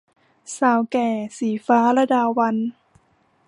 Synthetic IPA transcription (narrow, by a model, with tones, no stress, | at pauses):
saː˨˩˦wkɛː˧˩siː˨˩faː˦˥ɾa˧daː˧˩wa˧n